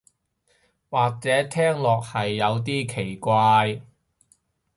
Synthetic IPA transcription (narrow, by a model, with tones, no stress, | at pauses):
waː˨k̚t͡sɛː˨˥t̪ʰɛː˥ŋlɔː˨k̚hɐ˨jːɐ˨˧wt̪̬iː˥kʰe˨˩jkʷaː˧j